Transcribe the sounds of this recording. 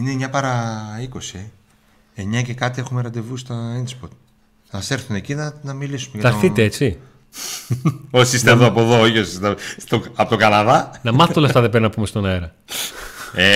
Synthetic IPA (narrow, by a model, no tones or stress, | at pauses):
inemɲɐpɐɾɐiko̞si | eɲɐce̞kɐt̪iexumeɾɐd̪e̞vust̪ɐenspoɾt̪̚ | nɐɐseɾθunecinɐnɐmilisumeʝɐt̪ɐɾθit̪e̞et͡si | osist̪eðoɐpoðooçiosist̪et̪oɐpot̪oɡɐnɐðɐnɐmɐθet̪olɐft̪ɐðebeɾinɐpumest̪onɐeɾɐ | e